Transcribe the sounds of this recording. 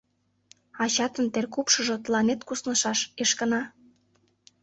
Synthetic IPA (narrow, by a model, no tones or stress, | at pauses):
ɑt͡ɕɑt̪ənt̪erkupʃɤ̆ʒŏt̪lɑnet̪kusnɤ̆ʃɑʃeʃkə̆nɑ